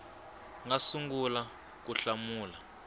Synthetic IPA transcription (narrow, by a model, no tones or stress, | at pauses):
ŋasuŋɡula | k̬uɬamuːla